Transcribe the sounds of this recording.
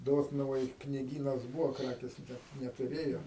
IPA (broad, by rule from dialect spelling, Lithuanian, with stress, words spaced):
ˈdoːtnʊʋoːj knʲɪˈɡʲiːnɐs ˈbuːʋoː ˈkrɑːkʲeːs ˈnʲɛt nʲɛtʊˈrʲeːjoː